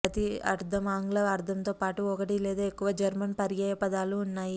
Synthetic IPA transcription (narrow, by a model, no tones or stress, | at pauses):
ɐt̪iɐ̰ɾd̪ʱɐmaːŋɡlɐɐɾd̪ʱɐmt̪oːpaːʈuɔkɐʈileːd̪aːekːuʋɐd͡ʒɐɾmɐnpɐɾjaːjɐpɐd̪aːluːnːaːji